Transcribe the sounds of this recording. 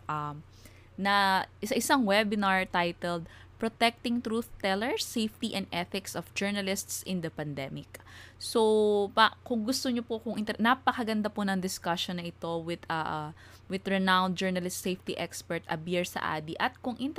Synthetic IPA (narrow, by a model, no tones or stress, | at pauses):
ʔɐm | nɐsɐʔɪsaŋwɛbɪnaɹt̪ajt̪ɛld̪̚ | pɹot̪ɛk̚t̪ɪŋt̪ɾuθt̪ɛlɛɹsejft̪iʔɐnd̪ʔɛθɪksʔɔfd͡ʒɛɹnɐlɪst̪sʔɪnd̪ɐpɐnd̪ɛmɪksopakʊŋɡʊst̪oɲopokʊŋʔɪnt̪ɛnɐpɐkɐɡɐnd̪aponɐŋd̪ɪskɐʃonːɐʔɪt̪o̞wɪd̪̥ɐʔ | wɪd̪ɹɛnãwnd̪̚d͡ʒɛɹnɐlɪst̪sejft̪iʔɛkspɛɹt̪ʔɐ̰bɪɹsɐ̰ʔa̰ːd̪iʔɐt̪̚kʊŋʔɪnt̪